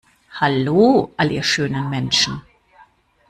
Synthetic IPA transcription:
haloːʔalʔiːɐʃøːnənmɛnʃn̩

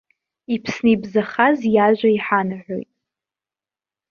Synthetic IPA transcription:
ipʰsnɨibzaχazjaʒʷaiħanaħʷᶣo̰jtʼ

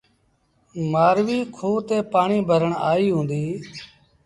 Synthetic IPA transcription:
maːɾʋiːkʰoːt̪eːpaːɳiːbʱəɾəɳaːiːɦũːnd̪iː

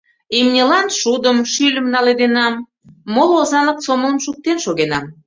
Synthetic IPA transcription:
emnʲelɑnʃud̪əmʃylʲəmnɑled̪enɑmː | olˠozɑnləksomələmʃuk̚t̪enʃoɣenɑm

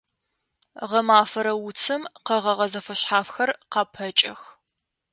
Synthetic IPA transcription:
ʁɐmaːfɐɾɐwʊt͡sʰɨmqɐʁɐʁɐzɐfɐɕħaːfxɐrqɑpʰɐt͡ʃʼɐx

